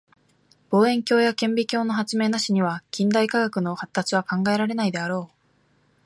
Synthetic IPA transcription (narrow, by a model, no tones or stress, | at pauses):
b̥o̞ːẽ̞ŋkʲo̞ːjakẽ̞mbʲikʲo̞ːno̞ɦat͡sɨme̞ːnaɕiɲ̟iβakʲĩnd̪aikaɡakɯ̟no̞hat̪ːat͡sɨβ̞akãŋɡae̞ɾaɾe̞naid̪e̞aɾo̞ː